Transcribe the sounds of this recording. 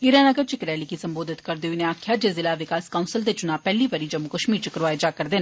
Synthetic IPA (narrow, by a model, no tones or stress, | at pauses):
ɪɾaːnəɡəɾt͡ʃɪkɾɛːliːkiːsəmboːd̪ɪt̪kəɾd̪eːoinẽaːkʰjaːd͡ʒeːzɪlaːʋɪkaːskaʊnsəld̪eːt͡ʃʊnaːpɛːliːʋəɾiːd͡ʒəmʊkəʃmiːɾt͡ʃəkɾʋaːed͡ʒaːkəɾd̪eːn